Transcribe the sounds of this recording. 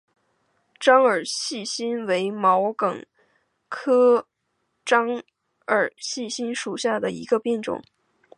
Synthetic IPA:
ʈ͡ʂɑ˥ŋə˞˨˩ɕi˥˩ɕi˥nwe˧˥ɪmɑ˧˥ʊkɤ˨˩ŋ | kʰɤ˥ | ʈ͡ʂɑ˥ŋ | ə˞˨˩ɕi˥˩ɕi˥nʂu˨˩ɕja˥˩d̪ə˩ḭ˧˥ɡə˧pjɛ˥˩nʈ͡ʂʊ̰˨˩˦ŋ

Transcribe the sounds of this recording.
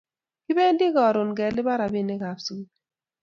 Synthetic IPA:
kɪ˦bɛ˦ndi˦ɡɔ˨ɾʊ˨nɡɛ˨lɪ˦ba˦ɾa˨bi˦˨nɪ˦ka˨fs

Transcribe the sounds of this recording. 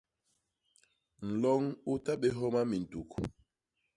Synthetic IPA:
n̩˨lɔ˦ŋu˦ta˦ɓe˦ɦɔ˦ma˦mi˨n˨tu˨k

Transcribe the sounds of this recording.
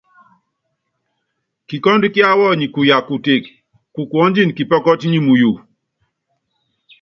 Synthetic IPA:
ki˨kɔ˦ndkɪ˦a˦wɔ˦ɲi˨ku˨ja˨ku˨te˨k | ku˨kwɔ˦nd͡ʒi˦nki˨pɔ˦kɔ˦tɲi˦mu˨ju˨

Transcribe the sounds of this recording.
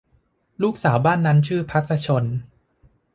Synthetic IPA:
luː˥˩k̚saː˩˦wbaː˥˩nːa˦˥nt͡ɕʰɯː˥˩pʰa˦˥t̪̚saː˧t͡ɕʰo˧n

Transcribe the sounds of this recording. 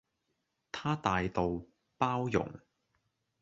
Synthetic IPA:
t̪ʰaː˥t̪aː˨jt̪o˨w | paː˥wjʊ̰˨˩ŋ

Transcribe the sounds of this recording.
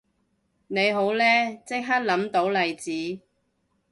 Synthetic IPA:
ne˨˧jɦo˨˥wlɛː˥t͡sɪ˥k̚ɦaː˥t̚lɐ˨˥mt̪o˨˧˥wlɐ˨jt͡siː˨˥

